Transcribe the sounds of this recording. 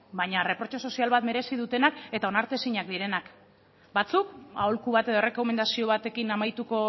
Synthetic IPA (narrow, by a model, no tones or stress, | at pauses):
baɲare̞pɾo̞t͡ʃo̞so̞sialβat̪me̞ɾe̞siðut̪e̞nake̞t̪ao̞naɾt̪e̞siɲakd̪iɾe̞nak | bat͡suka̰o̞lkuβ̞at̪e̞ðo̞re̞ko̞me̞nd̪asio̞β̞at̪e̞kinamajt̪uko̞